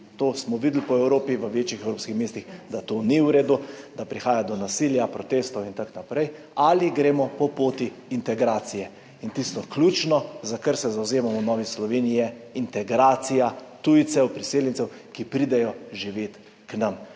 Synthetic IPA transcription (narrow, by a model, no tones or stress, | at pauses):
t̪oːsmɔʋiːd̪lpɔɛwɾoːpiʋəʋeːt͡ʃixɛwɾoːpskixmeːst̪ixd̪at̪oːniwɾeːd̪ud̪apɾixaːjad̪ɔnasiljapɾɔt̪est̪ɔwint̪aknapɾɛj | aliɡɾeːmɔpɔpoːt̪iːnt̪ɛɡɾaːt̪sijɛ | int̪ist̪ɔklʲut͡ʃnɔzakəɾsɛzawzeːmamɔnɔːʋislɔʋeːnijɛint̪ɛɡɾaːt̪sijat̪ujt̪sɛwpɾiseːljɛnsɛw | kipɾid̪ɛjɔʒiʋeːt̪ | knam